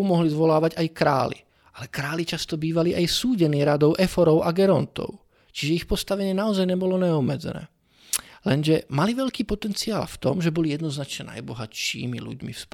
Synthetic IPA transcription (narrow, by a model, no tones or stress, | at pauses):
mɔɦlizʋɔlaːʋaɟajkɾa̰ːlḭ | ʔalɛkɾaːlit͡ʃast̪ɔbiːʋaliʔajsuːɟɛniːɾad̪ɔʊʔɛfɔɾɔʊʔaɡɛɾɔnt̪ɔ̰ʊ | t͡ʃiʒɛixpɔst̪aʋɛɲɪɛnaɔzajɲɛbɔlɔɲɛɔbmːɛd͡zɛ̰nɛ̰ː | lɛnʒɛmaliʋɛʎkiːpɔt̪ɛnt͡sia̰ːlft̪ɔ̰mʒɛbɔlijɛd̪nɔznat͡ʃɲɛna̰jbɔɦaʃḭːmḭlṵɟmḭfsp